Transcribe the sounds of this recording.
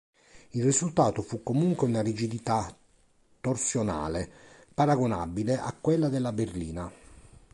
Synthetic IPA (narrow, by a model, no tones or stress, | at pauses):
ilrizult̪aːt̪ofukːomuŋkweunarid͡ʒid̪it̪a | t̪ːorsjona̰ːlepaɾaɡona̰bileʔakːwelːad̪elːaberliːna